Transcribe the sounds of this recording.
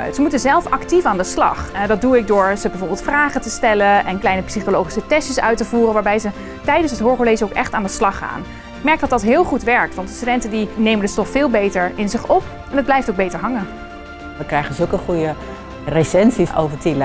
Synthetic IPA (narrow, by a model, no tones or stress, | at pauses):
zəmutənzɛlˠfɑktifaːndəslɑ̰χdɑt̚duɪk̚dʊːɹzəbɛjvoːɹbɪlˠtfraːχətəstɛlənʔɛnklɛjnəpsiχolowχi̥sətɛsəsœ̰ɥtəvuːrənʋaːɹbɛjzə | tɛjdənsətɦʊːɹχoɹlejsəowkɛχtaːndəslɑχa̰ːn | ɪk̚mɛɹk̚dɑtdɑtɦɪːlˠχutʋɛɹk̚tʋɑntdəstydɛntəndinejməndəstɔffɪːlˠbejtəɹɪnzɪχɔp | ɛnɦəd̚blɛjftowɡ̚bejtəɹɦɑŋə | ʋəkrɛjχənzɵlˠkəχujə | resɛnsiso̰wvəɹtil